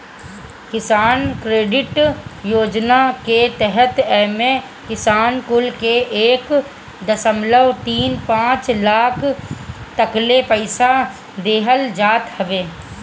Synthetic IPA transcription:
kɪsaːnkɾeːɖɪʈjoːd͡ʒnaket̪ɛɦət̪ɛːmẽ | kɪsaːnkʊlkeʔeːk | d̪əsəmləʋt̪iːnpãːt͡ʃlaːkʰt̪əklepəɪsa | d̪eːɦəld͡ʒaːt̪həʋeː

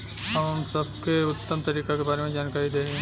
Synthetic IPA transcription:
ɦɐmsɐbkeʊt̪ːəmt̪ɐɾiːkakebaːɾemẽd͡ʒaːnkaːɾid̪eːɦe

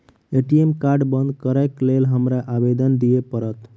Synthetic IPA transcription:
eʈijemkaɾɖbənd̪kəɾɛklelɦəmɾaʔabed̪ənd̪ijepəɾət̪

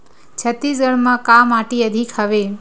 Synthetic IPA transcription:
t͡ʃʰət̪ːisɡəɽmãkamaʈiəd̪ʱikʰaʋe

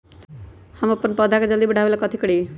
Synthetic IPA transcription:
həməpːənpəd̪ʱaked͡ʒʌld̪ibəɽ̤ʱaʋelakʌt̪ʰikɽi

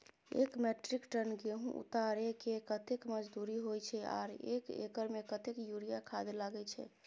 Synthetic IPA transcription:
ḛkmeʈɾikʈənɡeɦũʔṵt̪aɾekekət̪ekməd͡ʒd̪uɾiɦojt͡ʃʰɛa̰ɾḛkḛkəɾmekət̪ekjuɾijakʰad̪elaɡɛt͡ʃʰɛ̰

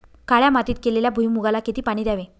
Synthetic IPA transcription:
kaɭjamat̪iːt̪̚keleljabʱujmuɡalaket̪iːpaɽ̃id̪jaʋẽ

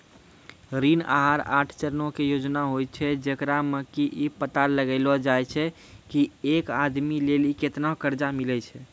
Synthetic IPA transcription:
ɾina̰ɦaɾaʈʰt͡ʃəɾnokejod͡ʒnaɦojt͡ʃʰɛd͡ʒekɾaməkiʔipət̪aləɡəɪlɔd͡ʒajt͡ʃʰɛ | kiekad̪mileliket̪nakəɾd͡ʒamilɛt͡ʃʰɛ

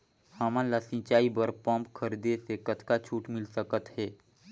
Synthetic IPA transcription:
həmãlasĩt͡ʃaːibəɾpə̃mpkʰəɾd̪esekət̪ʰkat͡ʃʰuːʈmɪlsəkət̪ɦɛː

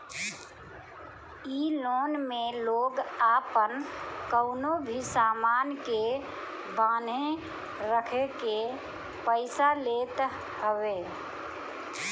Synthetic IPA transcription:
iloːnmeloːɡaːpənkəʊnobʱisaːmaːnke | baːnẽ | ɾəkʰeke | pəɪsaleːt̪ | ɦəwe

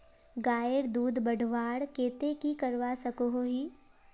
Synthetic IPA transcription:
ɡaːjəɾd̪uːd̪bəɖʱʋaːɽkeːt̪ekikɐɾʋasɐkoɦoɦiː

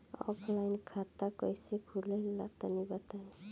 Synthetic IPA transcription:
ɔ̰pʰlajnkʰat̪ːakʌjsekʰulela̰t̪anibat̪ani

